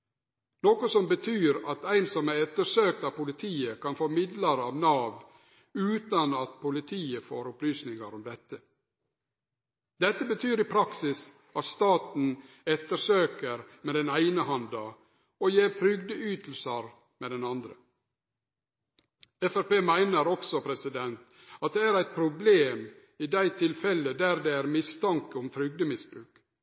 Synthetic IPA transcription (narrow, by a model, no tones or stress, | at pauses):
noːkɔsɔmbət̪ʰyːɾɑt̪æɪnsɔmæɛt̪ːəʂøːk̚t̪ɑːʋpʊlɪt̪ʰiːəkʰɑnfoːmɪd̪ləɾɑʋnɑːʋ | ʉːt̪ɑnɑt̪pʰʊlɪt̪ʰiːəfo̰ːɾɔplyːsnɪŋɑɾɔmd̪ɛt̪ːə | d̪ɛt̪ːəbət̪ʰyːɾiːpʰɾɑksɪs | ɑt̪st̪ɑːt̪n̩ | ɛt̪ːəsøːkəɾmeːd̪ɛnæɪnəhɑnd̪ɑ | ɔjeːɾt̪ʰɾʏɡd̪əyːt̪l̩səɾ | meːd̪ɛnɑnd̪ɾə̰ | ɛfæɾpeːmæɪnəɾɔksɔpʰɾɛsɪd̪ɛnt̪ | ɑt̪̚d̪ɛæɾæɪt̪̚pʰɾʊbleːm | id̪æɪt̪ʰɪlfɛlːəd̪æːɾd̪eæɾmɪst̪ɑŋkəɔmt̪ʰɾʏɡd̪əmɪsbɾʉːk